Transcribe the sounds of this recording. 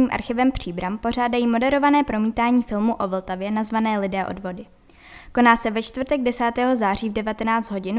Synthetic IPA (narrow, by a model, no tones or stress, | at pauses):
ɲiːmʔa̰ɾxɪvɛmpr̝̥iːbɾampo̞r̝aːdajiːmo̞dɛɾo̞vanɛːpɾo̞miːt̪aːɲiːfɪlmuʔo̞vl̩t̪avjɛnazvanɛːlɪdɛːʔo̞̰dvo̞dɪ | ko̞naːsɛvɛt͡ʃt̪vrt̪ɛɡdɛsaːt̪ɛːɦo̞zaːr̝iːvdɛvat̪ɛnaːt͡st̪ɦo̞ɟɪn